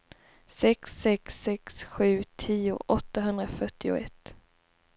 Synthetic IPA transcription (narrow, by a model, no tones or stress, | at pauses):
sɛksɛksɛksɧʉ̟ːt̪ʰiːʊ̰ʔɔt̪ːaɦɵnd̪ɾafœʈːɪʊ̰ɛ̰t̪ː